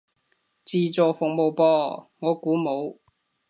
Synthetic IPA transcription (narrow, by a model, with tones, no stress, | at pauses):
t͡siː˧t͡sɔː˨fʊ˨kŋ̚mo˨wpɔː˧ŋɔː˨˧kuː˨˥mo˨˧w